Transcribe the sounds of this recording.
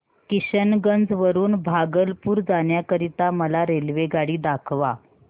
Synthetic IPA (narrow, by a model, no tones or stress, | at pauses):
kiɕənɡənd͡zʋəɾuːnbʱaɡəlpuːɾd͡zaɳjakəɾit̪aməlaɾelʋeɡaɽiːd̪akʰʋa